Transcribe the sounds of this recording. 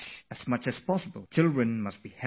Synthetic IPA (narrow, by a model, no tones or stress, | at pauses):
ɛsmʌt͡ʃɛspɔsəbəlˠt͡ʃɪlˠdɹə̃nmast̚b̥ihɛ